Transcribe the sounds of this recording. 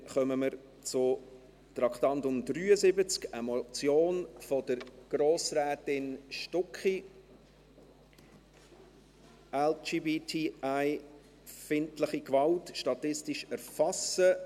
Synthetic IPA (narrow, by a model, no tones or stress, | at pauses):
χœməməɾ | t͡sʊ | tɾɑkχtɑntʊmdryːəzɪbət͡skɛmot͡sjoːnfɔdəɾɡ̥ɾoːsrɛːtɪnʃtɔkχi | ɛld͡ʒiːbitʰiaɪ | fɪntləχikvɑltʃtɑtɪstɪʃæɾfɑsə